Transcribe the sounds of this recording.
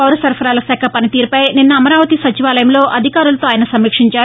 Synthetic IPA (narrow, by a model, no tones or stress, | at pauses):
pɐwɾɐsɐɾpʰɐɾaːlɐsɛːkʰɐpɐnit̪iːɾupɐjninːɐːmɐɾaːʋɐt̪isɐt͡ʃiʋaːlɐjɐmlo̞ːʔɐd̪ʱikaːɾulɐt̪oːaːjɐnɐsɐmːiːkʂiɲt͡ʃaːɾ